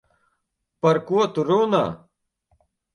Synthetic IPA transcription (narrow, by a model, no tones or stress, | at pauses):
pɐɾkuɐt̪uɾoːna̰